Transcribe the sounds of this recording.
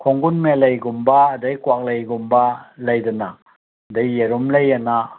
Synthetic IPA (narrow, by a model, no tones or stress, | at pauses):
kʰɔŋɡunmelajɡumbaːdajkuwak̚lajɡumbalajdana | dajːeɾumlajana